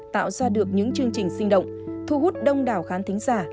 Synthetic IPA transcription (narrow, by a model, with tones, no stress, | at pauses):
t̪a̰ː˧˨wsaː˧ɗɨ˨˩ək̚ɲɨ̰˧˥ŋt͡ɕɨ˧əŋt͡ɕï˨˩ŋ̟sï˧ŋ̟ɗə̰˧˨wŋ͡mt̪ʰu˧ɦu˦˥t̚ɗə˧wŋ͡mɗaː˨˩wxaː˨˦nt̪ï˨˦ŋ̟zaː˧˩